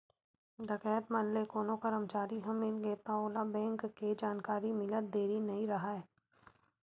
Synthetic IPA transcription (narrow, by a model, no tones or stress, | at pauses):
ɾɐkɛːət̪maːnlekoːnõkɐɾəmt͡ʃaːɾiɦɐmːɪlɡəet̪aoːlabɛ̃ːŋkːed͡ʒaːnkaːɾimɪləd̪eːɾinɐɦĩɾɐɦaɛː